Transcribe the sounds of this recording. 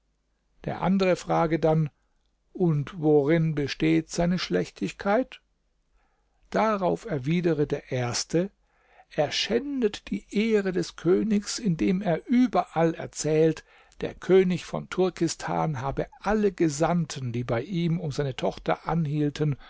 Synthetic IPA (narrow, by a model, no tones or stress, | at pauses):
d̥ḛːɐʔa̰ndəʁəfʁ̥aːɡədan | ʔʊntvoʁɪnbəʃteːtz̥aɪnəʃlɛçtʰɪçkʰaɪt | d̥aʁaʊfɛɐviːdəʁədeːɐʔeːɐstʰə | ʔeːɐʃɛndətd̥iːʔeːʁədɛskʰøːnɪçsɪndeːmeːɐʔyːbɐʔalɛ̰ɐt͡sɛːlt | d̥ḛːɐkʰøːnɪçfɔ̰ntʰʊɐkɪstʰa̰ːnɦaːbəʔaləɡəzantʰəndiːbaɪʔiːmʊmzaɪnətʰɔχtɐ̰ʔanhiːltʰən